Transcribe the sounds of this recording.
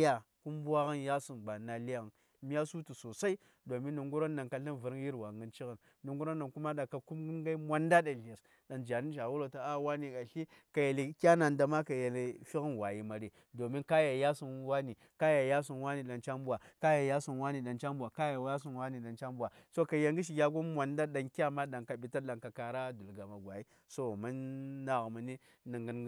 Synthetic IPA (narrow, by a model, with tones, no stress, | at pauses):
ja˨ | ku˦mbu˦a˦ɣa˦nja˦su˨nɡ͡ba˨na˨li˦ɣa˨n˨ | m˦a˦su˦tu˨so˨sa˦i˦ | do˨mi˦nːu˨ŋɡu˦ɾo˦nːa˨nka˨ɬa˦nvə˨ɾi˦ji˦ɾwa˨ŋɡə˦nt͡ʃi˦ɣə˨n | nu˨ŋɡu˦ɾo˦nːa˨nku˦ma˦ɗa˨ka˨ku˦m˦nɡa˦mʷa˦nda˦ɗa˨ɮi˨ɾ | ɗa˨nd͡ʒa˨ni˦ʃa˨wu˦lo˨ta˨a˦wa˦ni˨ka˨ɬi˦ | ka˨je˨li˨kʲa˦na˨nda˨ma˦ka˨je˨le˨fi˦ɣə˦nwa˨ji˨ma˨ɾi˨ | do˨mi˦nka˦ja˨ja˦su˨nwa˦ni˨ | ka˦ja˨ja˦su˨nwa˦ni˨ɗa˨nt͡ʃa˦mbu˦wa˨ka˦ja˨ja˦su˨nwa˦ni˨ɗa˨nt͡ʃa˦mbu˨a˨ka˦ja˨wja˦s̬u˨nwa˦ni˨ɗa˨nt͡ʃa˦mbu˨wa˨so˦ka˨ja˨ŋɡi˦ʃ̬i˨ɡʲa˦ɡo˦mʷa˨nda˦ɗa˨nkʲa˦ma˦ɗa˨nka˨bi˨ta˦ɗa˨nka˨ka˨ɾa˦du˨lɡa˨ma˨ɡwa˨ji˦ | so˦˨ma˦nːa˨ɣma˨ni˦ | na˨ŋɡi˦n˦